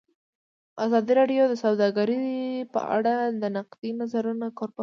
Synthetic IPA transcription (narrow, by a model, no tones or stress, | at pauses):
azɑd̪iɾɑɖjod̪əsawd̪ɑɡaɾipə̰a̰ɽad̪ənaqd̪inazaɾunakoɾpa